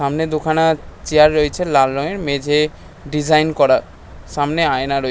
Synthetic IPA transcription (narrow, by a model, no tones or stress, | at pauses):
ʃamned̪okʰanat͡ɕeaɾːoet͡ɕʰelalːoŋeɾmed͡ʑʱe | ɖid͡ʑajnkɔɾa | ʃamneaenaɾoe